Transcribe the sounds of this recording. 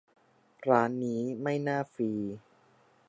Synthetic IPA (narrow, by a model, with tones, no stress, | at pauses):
ɾaː˦˥nːiː˦˥ma˥˩jnaː˥˩fiː˧